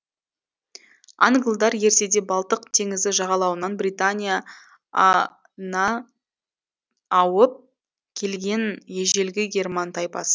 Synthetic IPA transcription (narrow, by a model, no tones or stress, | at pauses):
a̰ŋɡlˠd̪ɑɾje̞ɾse̞d̪e̞bɑlˠt̪əqt̪ʰe̞ŋɪzd̪ɪʒɑʁɑlˠɑwənɑnbrijt̪anʲija | nɑ | wəp̚ | kʲʰe̞lɡʲe̞nje̞ʒe̞lɡʲɪɡʲe̞rmɑnt̪ʰɑjpɑ̰sə